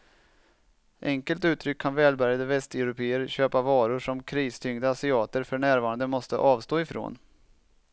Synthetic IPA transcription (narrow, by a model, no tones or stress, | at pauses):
ʔɛŋkəlt̪ʉ̟ːt̪ʰɾʏkʰːanvɛːlbæɾjad̪əvɛst̪ɛʊɾʊpʰeːəɾɕøːpavɑːɾʊʂɔmkʰɾiːst̪ʰʏŋd̪əasɪɑːt̪əɾfœɳæːɾvɑːɾand̪əmɔst̪ə̰ʔɑːvst̪oːɪfɾo̰ːn